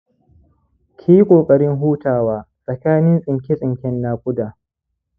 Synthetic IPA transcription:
kʲʰiː˦kʷʼoː˨kʼɐ˨ɽɪ˦ŋɦuː˦taː˨waː˦ | sʼɐ˨kaː˦nɪ˦nsʼɪ˨ŋkʲɪ˦sʼɪ˨ŋkʲɛ˦nːaː˦kʷʼʊ˦daː˨

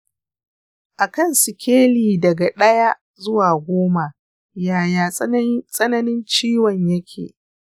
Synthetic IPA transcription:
ʔa˨kɐ˦˨nsɪ˨kʲeː˦liː˨dɐ˨ɡa˨ɗɐ˦ja˦ | zʊ˦waː˨ɡʷoː˦ma˨ | jaː˨jaː˨sʼɐ˦nɐ˦nɪ˦nt͡ʃiː˦wɐ˨ɲjɐ˦kʲʰḛː˨

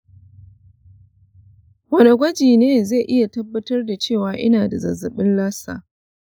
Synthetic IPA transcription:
wɐ˦ne˨ɡʷɐ˦d͡ʒiː˨neː˦za˦˨ʔɪ˦ja˨tɐ˦bːɐ˦tɐ˦rda˨t͡ʃeː˦˨waː˨ʔɪ˦naː˨da˨zɐ̰˨zɐ˨ɓɪ˦nlaː˦sa̰ː˨

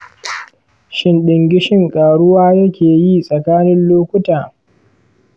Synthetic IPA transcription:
ʃɪ˦nɗɪ˨ŋɡʲɪ˦ʃɪ˦ŋkʼaː˨ɽʊ˦waː˦jɐ˦kʲeː˨ji˦sʼɐ˨kaː˦nɪ˦nloː˦kʷʊ˦taː˨

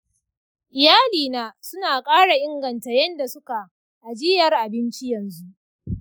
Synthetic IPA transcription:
ʔɪ˨jaː˦liː˨naː˦sʊ˦naː˨kʼaː˦ɽa˨ʔɪ˦ŋɡɐ˨nta˨jɐ˦nda˨sʊ˦ka˨ | ʔa˨d͡ʒɪ˦jɐ˨rʔa˨bɪ˦nt͡ʃi˦jɐ˨nzu˦ʔ

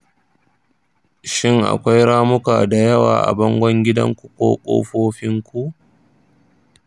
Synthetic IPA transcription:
ʃɪ˦ŋʔa̰˨kʷa˦jɽaː˦mʊ˦kaː˨da˨jɐ˦wa̰ː˨ʔa̰˨bɔ˦ŋɡʷɔ˦ŋɡʲɪ˦dɐ̰˦ŋkʷu˨kʷo̰ː˦kʷʼo̰ː˦ɸoː˦ɸɪ˦ŋkʷu˦ʔ

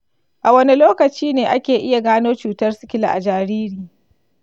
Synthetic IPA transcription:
ʔa˨wɐ˦ni˦loː˦kɐ˨t͡ʃiː˦neː˨ʔa˦kʲeː˨ʔɪ˦ja˨ɡaː˦noː˦t͡ʃuː˨tɐ˦rsɪ̥˦kʲɪ˦la̰˨ʔa˨d͡ʒaː˨ɾiː˦ɾiː˨

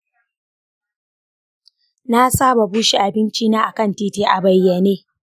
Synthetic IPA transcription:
na˦saː˦ba˨buː˦ʃi˦ʔa˨bɪ˦nt͡ʃiː˦naː˦ʔa˨kɐ˦˨ntiː˦tiː˦ʔa˨bɐ˨jːɐ˨neː˦

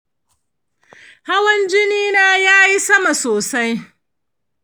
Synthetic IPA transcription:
ha˦wɐ˦nd͡ʒɪ˦niː˦naː˦jaː˦ji˦sɐ˦ma˨soː˨sa˦j

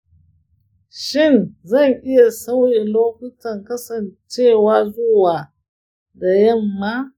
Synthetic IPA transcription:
ʃɪ˦˨nzɐ˦˨ŋʔɪ˦ja˨sɐ˦wjeː˨loː˦kʷʊ˦tɐ˨ŋkɐ˦sɐ˨nt͡ʃeː˦˨waː˦zʊ˦waː˨ | da˨jɐ˦˨mːaː˦

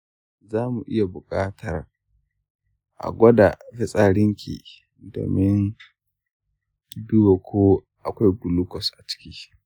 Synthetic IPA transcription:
zaː˦mu˨ʔɪ˦ja˨bʊ˨kʼaː˦tʰɐ˨r | ʔa̰˨ɡʷɔ˦da˨fɪ˦sʼaː˨ɽɪ˦ŋkʲʰḭ˨ | do̰ː˨mɪ˦n | bi˦wo˨kʷʰoː˦ | ʔa˨kʷa˦jɡʷʊ˨lʊ˦kɔ˨sʔa˨t͡ʃɪ̥˦kʲiː˦

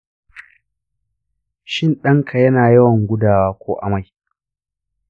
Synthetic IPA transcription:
ʃɪ˦˨nɗɐ˦ŋkʰa˨jɐ˦naː˨jɐ˦wɐ˨ŋɡʷʊ˦daː˨waː˦kʷʰoː˦ʔa˨ma˦˨j

